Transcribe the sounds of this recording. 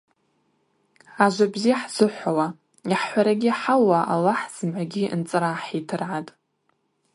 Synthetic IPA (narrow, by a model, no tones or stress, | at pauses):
aʒʷabzijaħz̥ɨħʷawa | iħːʷaɾaɡʲiħawaʔalːaħz̥ɨmʕʷaɡʲiʔnt͡sʼɨɾaħitʰɨrʕatʼ